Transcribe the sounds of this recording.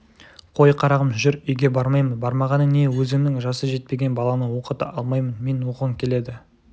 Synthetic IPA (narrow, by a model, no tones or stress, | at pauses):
qʰo̞jqʰɑɾɑʁəmʒʏɾʏjɡʲe̞bɑɾmɑjmənbɑɾmɑʁɑnəne̞wɵzɪmnɪŋʒɑsəʒe̞t̪̚pe̞ɡʲe̞nbɑlˠɑnəwo̞qət̪ə̰ʔɑlˠmɑjmənme̞nwoqəʁəŋkʲʰe̞le̞d̪ɪ